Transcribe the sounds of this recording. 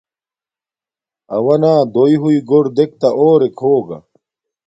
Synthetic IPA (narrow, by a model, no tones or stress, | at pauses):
ɐwɐnaːd̪oiɦuiɡoɾd̪ek̚t̪ɐʔoːɾekʰoːɡɐ̰